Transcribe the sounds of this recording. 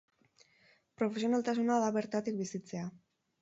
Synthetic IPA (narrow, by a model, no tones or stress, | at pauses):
pɾo̞fesio̞nalt̪asunaðaβe̞ɾt̪at̪ikbisit͡se̞a